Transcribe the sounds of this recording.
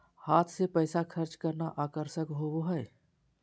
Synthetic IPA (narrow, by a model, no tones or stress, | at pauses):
haːt̪ʰsepəjsakʰəɾt͡ʃkəɾnaʔaːkəɾʃəkɦoboɦəj